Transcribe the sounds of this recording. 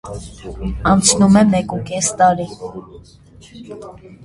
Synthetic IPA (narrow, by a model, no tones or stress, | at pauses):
ɑnt͡sʰnumɛmɛkukɛst̪ɑɾi